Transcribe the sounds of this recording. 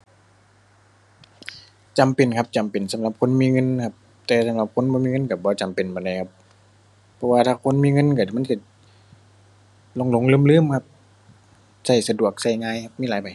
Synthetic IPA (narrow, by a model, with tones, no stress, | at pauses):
t͡ɕa˨mpe˨˩nkʰa˧˥p̚t͡ɕa˨˩mpe˨nsa˨˦mla˧˦p̚kʰo˧˥˨nmiː˧˥˨ŋɤ˧˨nkʰa˧˥p̚ | t̪ɛː˨˧˩sa˧˦mla˧˦p̚kʰo˧˥˨nbɔː˧miː˧˨ŋɤ˧˥˨nka˧˩bɔː˧˦t͡ɕa˨mpe˨˩nbɔː˨˩nda˧˩jkʰa˧p̚ʰː | ɔ˧waː˧t̪ʰaː˧˩kʰo˧˥˨nmiː˧˥˨ŋɤ˧˥˨nka˧˩˨ma˧˥˨nka˧˩ | lo˧˨ŋlo˧˨ŋlɯː˧˥˨mlɯː˧˥˨mkʰa˧p̚ | sa˧˩jsa˧du˨˩ək̚sa˧˩jŋaː˧˨jkʰa˧˥p̚miː˧˥˨lːjpa˨j